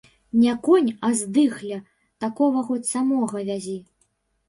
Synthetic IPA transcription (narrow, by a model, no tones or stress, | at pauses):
nʲakɔnʲɐzd̪ɨxlʲɐ | t̪akɔvɐɣɔt̪ʲsamɔɣɐvʲazʲi